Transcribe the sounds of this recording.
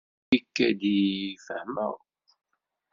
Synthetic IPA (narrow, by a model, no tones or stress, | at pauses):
ikːæd̪ifəhmə̰ʁ